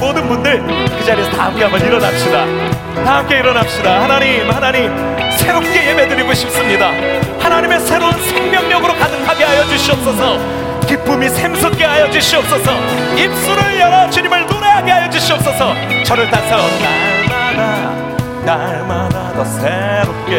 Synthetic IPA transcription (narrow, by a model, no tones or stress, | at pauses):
modɯnbundɯɭkɯd͡ʑaɾesʰʌta̰ɦamk͈e̞ɦambʌniɾʌnap̚ɕ͈ida | taɦamk͈e̞iɾʌnap̚ɕ͈idahanaɲimhanaɲim | sʰe̞ɾop̚k͈e̞jebe̞dɯɾiɡoɕʰip̚s͈ɯmɲida | hanaɲime̞sʰe̞ɾonsʰeŋmjʌŋɲʌɡɯɾokadɯkʰaɡeɦajʌd͡ʑuɕʰiʌp̚s͈ʌsʰʌ | kip͈umisʰemsʰok͈eɦajʌd͡ʑuɕʰiʌp̚s͈ʌsʰʌ | ip̚s͈uɾɯɭjʌɾat͡ɕiɲimɯɭtoɾaaɡe̞ɦajʌd͡ʑuɕʰiʌp̚s͈ʌsʰʌt͡ɕʌɾɯɭt͈asʰʌnaɭmana | naɭmanadʌsʰeɾop̚k͈e